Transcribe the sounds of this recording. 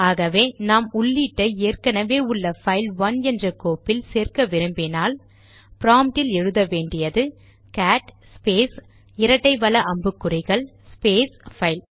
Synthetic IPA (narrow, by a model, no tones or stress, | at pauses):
aːɣɐʋeːnaːmʊɭːiːʈːɐeːrkɐnɐʋeːʊɭːɐfɐɪlʋɐnɛndrɐkoːpːɪlseːrkɐʋɪɾɯmbɪnaːl | pɪɾaːmʈɪlɛɻɯðɐʋeːɳɖɪjɐðɯ | kaːʈ | peːs | ɪɾɐʈːɐɪʋɐlɐʔɐmbɯkːɯɾɪɣɐɭspeːsfɐɪl